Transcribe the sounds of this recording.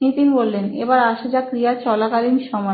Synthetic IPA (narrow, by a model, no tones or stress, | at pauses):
nit̪inbolːenḛbaɾaʃed͡ʑakɾijat͡ɕɔlakalimʃɔma